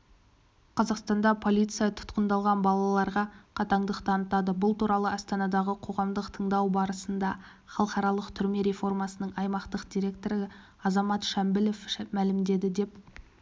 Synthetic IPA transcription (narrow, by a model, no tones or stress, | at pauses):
qʰɑzɑqst̪ɑnd̪ɑpʰo̞lʲijt̪sɨjɑt̪ʰʊ̥t̪qənd̪ɑlˠʁɑnbɑlˠɑlˠɑɾʁɑqʰɑt̪ɑɴd̪əqt̪ʰɑnət̪ɑd̪əbʊlˠt̪uɾɑlˠəɑst̪ɑnɑd̪ɑʁəqʰo̞ʁɑmd̪əqt̪ʰəɴd̪ɑwbɑɾəsənd̪ɑ | χɑlˠəqɑɾɑlˠəqt̪ʰʏɾme̞ɾe̞fo̞rmɑsənəɴɑjmɑqt̪əqd̪ijɾʲe̞k̚t̪o̞ɾə | ɑzɑmɑt̪ʃæmbɪlefmælɪmd̪e̞d̪ɪd̪e̞p